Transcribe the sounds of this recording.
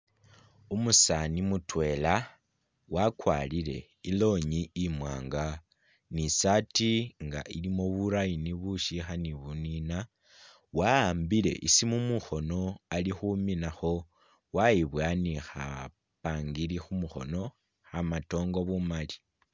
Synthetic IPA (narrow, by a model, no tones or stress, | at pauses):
umusanimutwe̞la | wakwalile̞̰ | ilo̞ɲiːmwa̰ːŋɡa | nisatiŋɡa̰ʔilimo̞βuɾajiniβuʃixaniβunina | waːmbile̞̰ʔisimumuxo̞no̞alixuminaxo̞ | waiβwanixa̰ | paːŋɡilixumuxo̞̰no̞ | xamato̞ːŋɡo̞βumali̥